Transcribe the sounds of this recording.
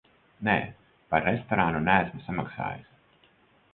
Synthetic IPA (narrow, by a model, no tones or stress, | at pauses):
nɛ̰ː | paɾːɛst̪ɔɾanunæːsmisamaksa̰ːjɨs